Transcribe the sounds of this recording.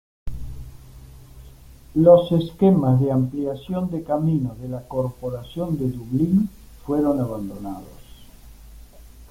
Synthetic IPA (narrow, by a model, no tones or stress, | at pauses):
loseskemazðeampliasjond̪ekaminoðelakoɾpoɾasjond̪eðuβlin | fweɾo̞naβ̞and̪ona̰ðo̰s